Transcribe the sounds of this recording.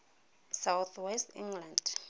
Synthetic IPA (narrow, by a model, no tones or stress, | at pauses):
sawθʰwɛstĩŋland